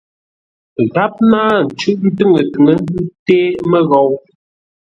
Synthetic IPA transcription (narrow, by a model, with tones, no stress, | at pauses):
ɣa˦p̚naː˦n̩˨t͡ʃʉ˦ʔn̩˦tɨ˦ŋə˨tɨ˨ŋə˨˦n˦du˦teː˦mə˦ɣɔ˨w